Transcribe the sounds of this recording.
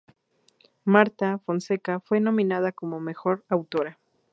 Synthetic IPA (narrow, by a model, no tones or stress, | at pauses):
maɾt̪afo̞nse̞kafwe̞nõ̞mĩnað̞ako̞mo̞me̞xo̞ɾawt̪o̞ɾa